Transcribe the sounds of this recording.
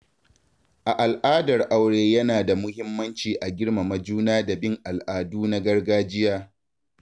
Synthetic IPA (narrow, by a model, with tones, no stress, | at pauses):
ʔa˨ʔa˨lʔaː˦dɐ˨rʔa˨wɽeː˨jɐ˦naː˨da˨mʊ˦hɪ˦mːɐ˦nt͡ʃiː˨ʔa˨ɡʲɪ˦rma˨mɐ˦d͡ʒuː˦naː˦da˨bɪ˦ŋʔa˨lʔaː˨duː˦na˦ɡɐ˦rɡaː˦d͡ʒɪ˦jaː˦